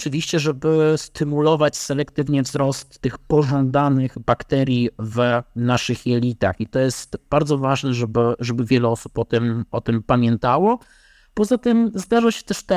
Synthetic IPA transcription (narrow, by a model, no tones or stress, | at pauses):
ɔt͡ʂɨvʲiɕt͡ɕɛʐɛbɘst̪ɘmulɔvat͡ɕsɛlɛkt̪ɘvɲɛvzɾɔst̪ːɘxpɔʐɔnd̪anɘɣbakt̪ɛɾʲjivnaʂɘxjɛlʲit̪a̰xit̪ɔjɛst̪b̥aɾd̪zɔvaʐnɛʐɛbɘʐɛbɘvʲjɛlɛɔsupɔt̪ɛmɔt̪ɘmpamʲjɛnt̪awɔ | pɔzat̪ɘmzd̪aʐaɕɛ̥t̪ɛʂt̪ɛ